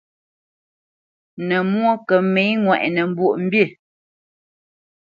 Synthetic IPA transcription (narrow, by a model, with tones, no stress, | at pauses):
nə˨mwo˦kə˨me˨˦ŋwɛ˨ʔnə˨m̩˦bwo˦˨ʔm̩˦bjə˦˨